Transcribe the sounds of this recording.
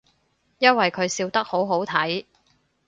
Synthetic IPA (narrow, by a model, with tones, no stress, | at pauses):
jɐ˥n̚wɐ˨jkʰɵ˨˧ɥsiː˧wt̪ɐ˥k̚ho˨˥wɦo˨˥wt̪ʰɐ˨˥j